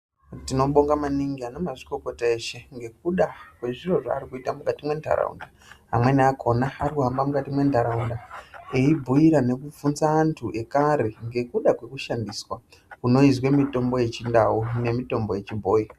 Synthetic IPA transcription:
tino̞ɓo̞ŋɡamaniŋɡiano̞maʐiko̞ko̞tae̞ʃe̞ŋɡe̞k̚uɗakwe̞ʐiro̞ʐa̰ːrikuitamukatimwe̞ndʱa̰ɾa̰ṵnda | ɦa̰mwe̞niakʰo̞naːɾikuɦambamukatimwe̞ndʱaɾaundaeibʱuiɾane̞kuvunzaːntʰuʔe̞kaɾeŋɡe̞kuɗakwe̞kuʃandiswa | kuno̞izwemito̞mbo̞je̞t͡ʃindaune̞mito̞mbo̞je̞t͡ʃibʱo̞ːji

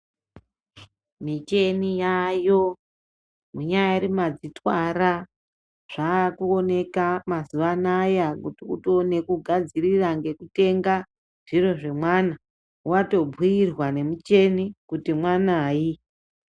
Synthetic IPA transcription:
mit͡ʃe̞nijajo̞ | muɲajairimad͡zitwara | ʐ̥aːkuone̞kamazuʋanajakutiutone̞kuɡʱad͡ziriraŋɡe̞kute̞ŋɡa | ʐ̥iro̞ʐe̞mwana | wato̞b͡vʱiirwane̞mut͡ʃe̞nikutimwanaːji

